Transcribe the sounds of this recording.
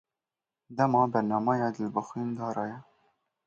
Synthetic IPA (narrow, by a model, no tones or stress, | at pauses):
d̪ɛmɑːbɛɾnɑːmɑjɑːd̪əlbəxwiːnd̪ɑːɾɑːjɛ